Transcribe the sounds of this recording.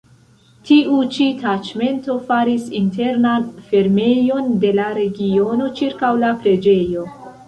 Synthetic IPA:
tiʔut͡ʃitat͡ʃme̞nto̞faɾisinte̞ɾnanfe̞ɾme̞jo̞nde̞laɾe̞ɡio̞no̞t͡ʃiɾkawlapɾe̞d͡ʒe̞jo̞

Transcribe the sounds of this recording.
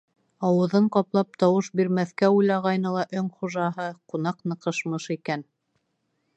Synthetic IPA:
ɑwɤ̆ðɤɴqɑplˠɑp̚t̪ɑwɤʃbiɾmæθkæujlˠɑʁɑjnɤlˠɑʔɵŋχuʒɑɦɤqun̪ɑqnɤ̆qɤ̆ʃmɤʃikæn

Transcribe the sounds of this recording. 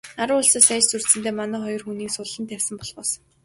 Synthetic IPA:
aɾʊ̆wʊɮsɔːsæːt͡ɕsurt̪sɘ̆nt̪eːmanœːχɔjɞ̆rxuːniːksʊɮːə̆nt̪ʰæwʲsə̆mpɔɮpɔːs

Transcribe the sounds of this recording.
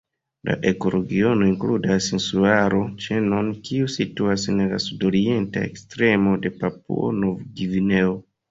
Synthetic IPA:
la̰ʔe̞ko̞ɾoɡio̞no̞iŋkludasinsuaɾo̞t͡ʃe̞no̞nkiusituasenlasudo̞ɾie̞nta̰ḛkstɾe̞mo̞de̞papṵo̰no̞vɡivine̞o

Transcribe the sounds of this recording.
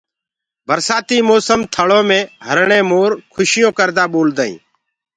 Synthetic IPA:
bʱəɾsaːt̪iːmoːsəmt̪ʰəɭõːmẽːɦəɾɳẽːmoːɾkʰʊʃɪjõːkəɾd̪aːɓoːld̪aːḭ̃ː

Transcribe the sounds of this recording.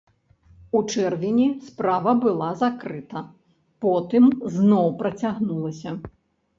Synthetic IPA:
ut͡ʂɛrvʲinʲispɾavɐbɨlˠazakɾɨt̪ɐ | pɔt̪ɨmznɔwpɾɐt͡sʲaɣnulˠɐsʲɐ

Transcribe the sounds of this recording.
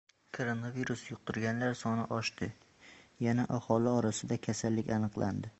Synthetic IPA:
kʰoɾonaviɾusjʊq̪̚ʊɾɡʲanlaɾsɒnɪʔɒʃt̪ɪ | janaʔahɒlɪɒɾasɪd̪akʲʰasalːɪkʲanɨqlˠʔand̪ɪ

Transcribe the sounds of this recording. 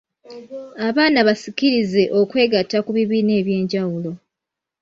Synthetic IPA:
aβaːnaβasiciɾize̞ʔo̞kwe̞ːɡatːakuβiβiːne̞ːβje̞ːɲɟawulo̞

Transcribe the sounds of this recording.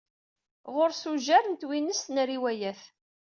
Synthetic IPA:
ʁʊɾsuʒæɾənt̪winəst̪nɾiwæjæθ

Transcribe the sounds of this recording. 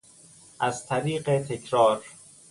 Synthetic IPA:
ʔæzt̪ʰæɾiːɢet̪ʰekʰɾɒːɾ

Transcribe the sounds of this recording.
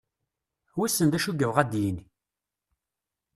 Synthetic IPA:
wæsːənd̪æʃuɡəvʁæd̪jin

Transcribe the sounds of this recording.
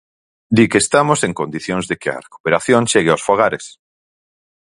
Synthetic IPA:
d̪ikeːst̪amoseŋkond̪iθjõŋzðekɪɐ̰reku̥peɾaθjõŋʃeɣeosfoɣaɾes

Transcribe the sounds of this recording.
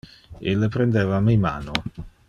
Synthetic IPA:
ḛlːepɾend̪eːvamejma̰ːno

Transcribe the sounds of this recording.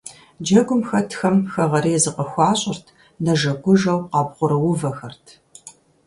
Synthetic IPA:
d͡ʒɐɡʷʊmxɐtʰxɐmxɐʁɐɾiːzɨqɐxʷɑːɕʼɪrtʰ | nɐʒɐɡʷʊʒɐwqɑːbʁʷʊɾɐwʊvɐxɐrtʰ

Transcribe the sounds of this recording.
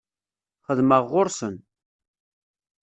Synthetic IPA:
χəðməʁːʊɾsən

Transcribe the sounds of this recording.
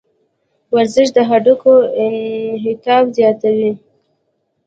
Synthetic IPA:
waɾzɪʃ̬d̪əɦaɖukoɪnɦɪt̪ɑfzjɑt̪awi

